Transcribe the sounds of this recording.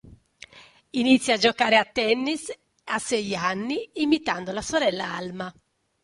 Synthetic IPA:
init̪sːjad͡ʒokaːɾeat̪ːɛnːis | asɛjanːiːmit̪and̪olasoɾɛlːaa̰lma

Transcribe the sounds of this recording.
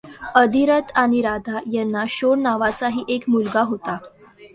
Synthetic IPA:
əd̪iɾət̪ʰaɽ̃iɾad̪ʱajɛnːaɕoɽnaʋat͡saɦiːʔekmulɡaɦot̪a

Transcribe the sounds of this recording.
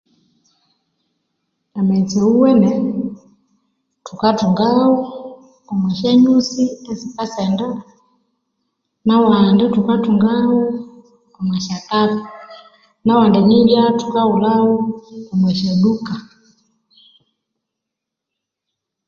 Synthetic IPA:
amɛt͡sɛuwɛnɛ | tukatuŋɡaɔ | ɔmwɛʃɛɲusiɛsikasɛnda | nawandɛtukatuŋɡaɔ | ɔmwɛʃatafa | nawandɛɲiljatukaulauɔmwɛʃɛɗuka

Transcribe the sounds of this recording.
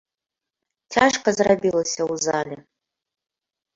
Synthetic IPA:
tʰaʂqʰazrabilɐsʲauzalʲa

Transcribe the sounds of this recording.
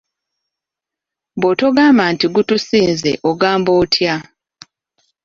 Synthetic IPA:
botoɡaːmbantiɡutusiːnzḛʔoɡaːmbo̞ːtʰja

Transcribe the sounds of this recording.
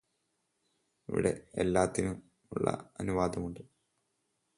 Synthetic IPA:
iʋḭɽe̞elːaːt̪ːinum | uɭːɐ̰ɐnuʋaːd̪ɐmuɳɖɨ

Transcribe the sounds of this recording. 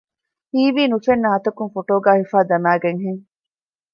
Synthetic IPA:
hiːʋiːnufenːɐɦɐt̪ɐkuŋfoʈoːɡæːhifaːd̪ɐmæːɡeŋɦeŋ

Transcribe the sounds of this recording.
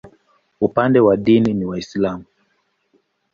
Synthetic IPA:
upandɛwaɗininiwaislamu

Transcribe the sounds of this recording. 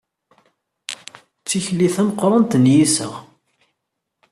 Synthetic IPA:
t͡sːiçliθæməqːɾˤɑnt̪njisə̰ʁ

